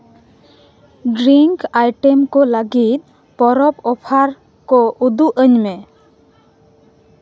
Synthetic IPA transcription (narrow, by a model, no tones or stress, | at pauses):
ɖɾiŋkajʈemkɔləɡit̪̚ˀ | pɔɾɔpɔpʰaɾ | kɔud̪uʔəɲmɛ